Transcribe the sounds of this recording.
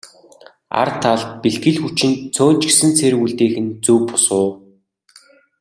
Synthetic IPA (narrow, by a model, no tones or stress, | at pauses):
a̰rt̪ʰːaɮt̪̚piɮɡɘ̆ɮxut͡ɕɪ̆nt͡sʰoːt͡ɕɪ̥̆ksɘ̆nt͡sʰerɣuɮt̪eːxɘ̆nt͡suːpʊsʊː